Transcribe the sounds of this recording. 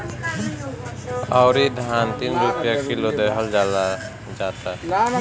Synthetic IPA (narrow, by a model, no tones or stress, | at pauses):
ɔʊɾid̪ʱaːnt̪inɾupjakʰilod̪əɦəld͡ʒala | d͡ʒaːt̪a